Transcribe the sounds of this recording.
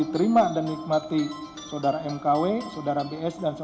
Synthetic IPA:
it̪əɾimadanːik̚mat̪i | saodaɾaɛmkawesadaɾabeɛsdans

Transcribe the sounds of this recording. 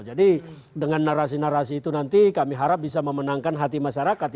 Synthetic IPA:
d͡ʒadi | dəŋanːaɾas̬inaɾasiːt̪unant̪ikamiɦaɾap̚bisaməmənaŋkanɦat̪imaʃaɾakat̪

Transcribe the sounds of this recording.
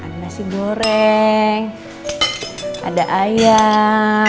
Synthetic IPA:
adanasiɡoɾɛŋ | a̰daʔaja

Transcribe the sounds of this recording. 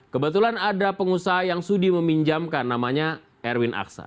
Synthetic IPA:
kəbət̪ulanadapəŋusaɦajaŋsudiməmiɲd͡ʒamkanːamaɲa | ɛrwɪnʔa̰ksa̰

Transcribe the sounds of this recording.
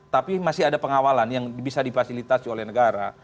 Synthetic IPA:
t̪apimasɪadapəŋawalanjaŋbisadifasilit̪asiolɛhnəɡaɾa

